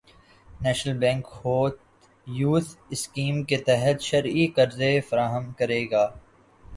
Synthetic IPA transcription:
nɛːʃnəlbɛ̃ːŋkhoːt̪ | juːt̪ʰɪskiːmket̪ɛɦət̪ʃɐɾikɐɾzefɐɾaːɦəmkɐɾeːɡaː

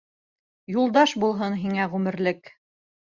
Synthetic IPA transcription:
julˠd̪ɑʃbulˠɦɤnɦiŋæʁʉmɘ̆ɾlɘk

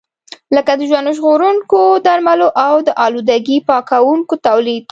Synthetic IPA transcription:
ləkad̪əʒwand̪oʒɣoɾuŋkod̪aɾmaloʔawd̪əʔɑlud̪aɡipɑkawuŋkot̪awlid̪̥̚

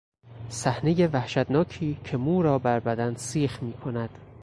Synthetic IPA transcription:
sæhne̞je̞væhʃæd̪nɒːcʰiːcʰe̞muːɾɒːbæɾbæd̪ænsiːxmiːkʰo̞næd̪̥

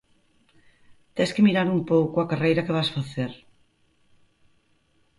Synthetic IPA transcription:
t̪ɛskɪmiɾaɾumpowkʊɐkarejɾɐkeβasfaθeɾ

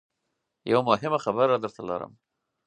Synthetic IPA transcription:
ja̰wamʊɦɪmaxabaɾːɑd̪əɾt̪alɑ̰ɾə̰m

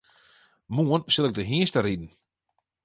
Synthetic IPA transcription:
muənsɪlˠɛk̚dəɦiəstəɾidn̩

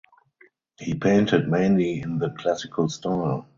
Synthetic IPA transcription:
hiːpʰẽɪ̃ntɪdmẽɪ̃nliɪ̃nðəkʰlæsɪkʰəlstaɪl

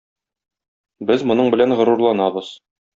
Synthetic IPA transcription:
bɘzmŏnɤɴbɘ̆lænʁɤ̆ɾuɾlˠɑnɑbɤz̥

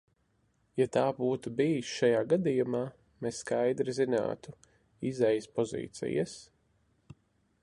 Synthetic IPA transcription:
jat̪aːbuːt̪ubijsʃajaːɡad̪ijumaː | mesːkajd̪ɾizina̰ːt̪u | izɛjspɔzḭːt̪sḭja̰s

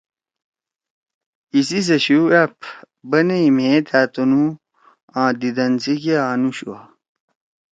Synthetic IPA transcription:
isis̬ɐɕuɐpʰ | bɐneimẽːt̪ʰaːt̪onu | ãːd̪id̪ɐnsikeaːnuɕṵwa̰

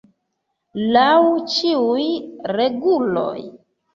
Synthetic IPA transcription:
lawt͡ʃiujɾeɡulo̰j

